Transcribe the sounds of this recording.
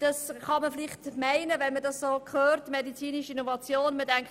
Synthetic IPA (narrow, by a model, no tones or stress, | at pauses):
d̥ɑsχɑməflɪχtmæɪnəvɛnmədɑssoːkʰχøːɾtmedit͡siːniʃinovɑt͡sjoːnmədɛŋ